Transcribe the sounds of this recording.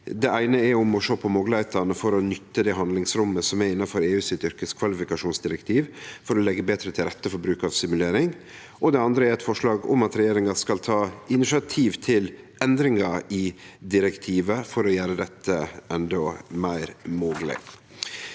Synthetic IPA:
d̪ɛʔæɪnəɛɾʊmɔʂoːpʰɔmoːɡləhæɪt̪ənəfɔɾɔnʏt̪ːəd̪ɛɦɑnd̪lɪŋsɾʊmːəsɔmɛɪnːɑfɔɾeːʉːsɪt̪ʏɾkəskʰʋɑlɪfɪkɑʂuːnsd̪ɪɾəkt̪ʰiːʋfɔɾɔlɛɡːəbeːt̪ɾət̪ʰɪlɾɛt̪ːəfɔɾbɾʉːkɑʋsɪmʉleːɾɪŋ | ʔɔd̪ɛɑnd̪ɾəæɾɛt̪fɔʂlɑːɡʊ̰mɑt̪ɾɛjeːɾɪŋɑskɑlt̪ʰɑːɪnɪʂɪɑt̪ʰiːʋt̪ʰɪl | ʔɛnd̪ɾɪŋɑɪd̪ɪɾəkt̪ʰiːʋəfɔɾɔjæːɾəd̪ɛt̪ʰːəʔɛnd̪ɔmæɪɾmoːɡlɪ̰

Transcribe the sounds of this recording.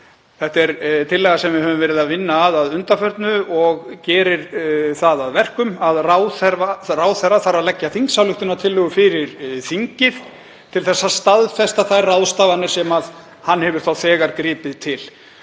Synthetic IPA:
θɛht̪ɛɾt̪ʰɪlːɛːɣasɛmvɪhœːvʏmvɛːɾɪðaðvɪnːaːðaðʏnt̪afœɾt̪nʏɔɣcɛːɾɪɾ̥θaðaðvɛr̥kʏmaðrawθɛɾvaraːwθɛɾaθaɾaðlɛcːaθiŋksawlʏht̪ʏnat̪ʰɪlːʏɣʏfɪɾɪɾ̥θiɲcɪð̥ | t̪ʰɪlθɛsːast̪aðfɛst̪aθajrrawðst̪avanɪ̥sɛmað | hanːhɛvʏɾ̥θawθɛːɣaɾkɾɪːpɪðt̪ʰɪl

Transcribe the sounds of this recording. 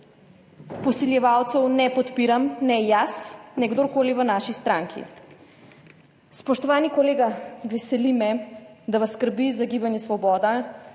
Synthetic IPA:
posilʲavalˠt̪sonɛpot̪piɾamnɛjasnɛɡd̪oɾkolivanaʃist̪ɾaŋkʰḭ | spoʃt̪ovanikolɛɡavɛsɛlimɛd̪avaskrbizaɡibanʲɛsvɔbɔd̪a

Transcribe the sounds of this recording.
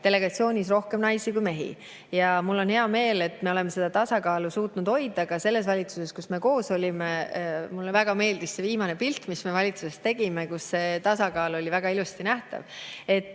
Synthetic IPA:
t̪e̞le̞ɡ̥ɑt̪sio̞ːnʲis̬ro̞hke̞mnɑjsikujme̞ɦḭ | jɑmulːo̞nheɑme̞ːle̞t̪ːme̞o̞lemese̞d̪̥ɑt̪ɑsɑkɑːlusuːt̪nud̪ho̞jd̪ɑɡ̥ɑse̞lːe̞s̬vɑlʲit̪suse̞skusme̞ko̞ːso̞lʲimemulːevæɡ̥ɑme̞ːld̪isse̞viːmɑne̞pilt̪ːˑmisme̞vɑlʲit̪suse̞st̪ːe̞ɡ̥imekusse̞t̪ɑsɑkɑːlo̞lʲivæɡ̥ɑilust̪inæht̪ɑ̰ve̞t̪ːˑ

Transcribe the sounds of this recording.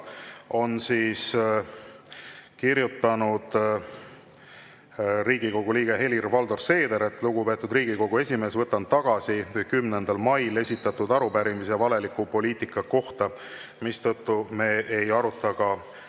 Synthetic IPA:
o̞nsiːs | kiɾjut̪ːˑɑnud̪̥ | riːɡ̥iko̞ɡ̥uliːɡ̥e̞ɦe̞lirvɑld̪o̞rse̞ːd̪e̞ɾet̪ːˑluɡupe̞t̪ːˑud̪riːɡ̥iko̞ɡ̥ue̞sʲimeːsvɤt̪ːˑɑnt̪ːɑɡ̥ɑsikujkymnend̪̥ɑlmɑjle̞sʲit̪ːˑɑt̪ud̪ɑɾupæɾimisevɑle̞likːˑupo̞liːt̪ikːˑɑko̞ht̪ɑ | mist̪ɤt̪ːume̞ːʔejɑɾut̪ˑːɑkɑ

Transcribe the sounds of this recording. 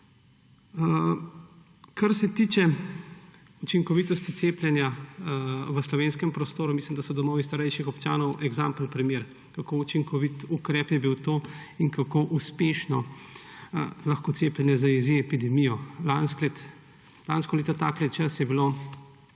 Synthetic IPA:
kʰɐɾsɛt̪iːt͡ʃɛ | ut͡ʃiŋkɔʋiːt̪ɔst̪it̪seːplʲjɛnja | ʋəslɔʋeːnskɛmpɾɔst̪oːɾumiːslimd̪asɔd̪ɔmɔːʋist̪aɾɛjʃixɔpt͡ʃa̰ːnɔwʔɛɡzaːmplnpɾimjeːɾ | kakout͡ʃiŋkʰɔʋit̪ukɾɛːpjɛbiwt̪oː | inkakoːʔuspeʃnɔ | lɐxkoːseːplɛnjɛzaiziɛpid̪ɛmijɔlansklɛt̪ | lanskɔleːt̪ɔt̪aːklɛt̪t͡ʃɐsjɛbiloː

